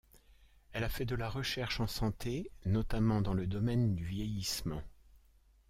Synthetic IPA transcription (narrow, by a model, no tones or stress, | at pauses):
ɛlafɛd̪əlaʁəʃɛʁʃɑ̃sɑ̃t̪ʰenɔt̪amɑ̃d̪ɑ̃ləd̪ɔmɛnd̪yvjɛjismɑ̃